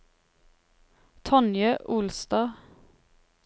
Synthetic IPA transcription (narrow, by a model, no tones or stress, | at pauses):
t̪ʰɔnjœʔʊlst̪ɑː